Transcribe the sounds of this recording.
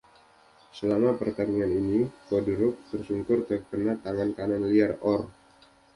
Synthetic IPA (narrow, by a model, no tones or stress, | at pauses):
səlamapərt̪anianinikoduɾʊk̚t̪ərsuŋkʊrt̪əkənat̪aŋankananliarɔr